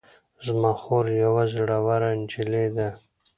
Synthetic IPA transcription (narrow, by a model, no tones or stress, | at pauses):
zmaxoɾjawazɽawaɾand͡ʒiled̪a